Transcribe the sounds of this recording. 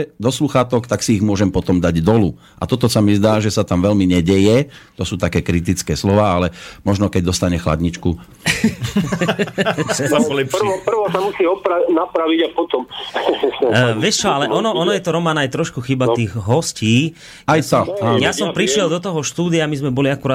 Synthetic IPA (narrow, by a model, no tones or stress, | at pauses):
ɛd̪ɔsluxaːt̪ɔkt̪aksiːɣmʊɔʒɛmpɔt̪ɔmd̪aɟd̪ɔlu | ʔa̰t̪ɔt̪ɔsamizd̪aːʒɛsat̪amʋɛlmiɲɛɟɛjɛt̪ɔsuːt̪akɛːkɾit̪̬it͡skɛːslɔʋaːalɛmɔʒnɔkɛɟ̚d̪ɔst̪aɲɛxla̰d̪ɲit͡ʃku | aɔlɛpʃɔpr̩ʋɔsamusiːɔpɾanapɾaʋiɟapɔt̪ɔm | ʋɪɛʃt͡ʃɔalɛʔɔnɔɔnɔjɛt̪ɔɾɔmaːnaajt̪ɾɔʃkuxiːbat̪iːɣɦɔsciː | ajt̪ɔajasɔmpɾiʃɪɛld̪ɔt̪ɔɦɔʃt̪uːd̪iamizmɛbɔliakuɾaː